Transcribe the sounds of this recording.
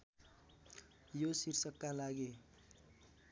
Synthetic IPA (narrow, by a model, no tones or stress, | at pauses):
josirsʌkːalaɡe